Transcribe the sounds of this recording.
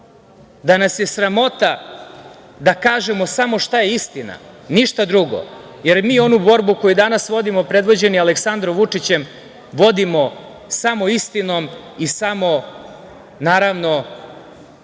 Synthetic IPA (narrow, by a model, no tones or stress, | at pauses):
d̪anasje̞sɾamo̞t̪a | d̪akaːʒe̞mo̞samo̞ʃt̪aje̞ist̪ina̰niʃt̪ad̪ɾuɡo̰ | je̞ɾmiːo̞nubo̞ɾbuko̞jud̪anasʋo̞d̪imo̞pɾe̞d̪ʋo̞d͡ʑe̞nialeksand̪ɾomʋut͡ʂit͡ɕe̞m | ʋo̞d̪imo̞ | samo̞ist̪ino̞misamo̞ | naːɾaʋno̞